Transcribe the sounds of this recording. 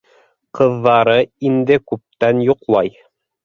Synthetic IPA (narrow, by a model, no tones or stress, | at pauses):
qɤ̆ðːɑɾɤind̪ɘkʉp̚t̪ænjoqlˠɑj